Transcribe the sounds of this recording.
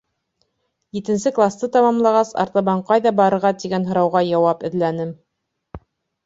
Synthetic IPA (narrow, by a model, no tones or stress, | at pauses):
jit̪ɘ̆nsɘklˠast̪ɤt̪ɑmɑmlˠɑʁɑsɑ̰ɾt̪ɑβɑɴqɑjðɑbɑɾɤ̆ɾʁɑt̪iɡænɦɤ̆ɾɑwʁɑjɑwɑpɘ̆ðlænɘm